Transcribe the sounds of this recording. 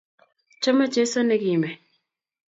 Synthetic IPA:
t͡ʃɔ˦ma˦t͡ʃe˦so˦ne˦ɡi˨mɛ˨

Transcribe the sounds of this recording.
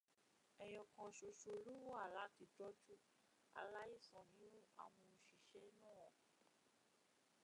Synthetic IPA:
ɛ˨j̃ɔ̃˧kã˨ʃo˧ʃo˨˧o˨˧lu˦wa˦˨la˨˦ti˧dɔ˦d͡ʒu˦ | a̰˧la˦i˦˨sɔ̃˨nĩ˨˦ũ˦a̰˨w̃ɔ̃˧ʃi˨ʃɛ˨˦nãː˦˨

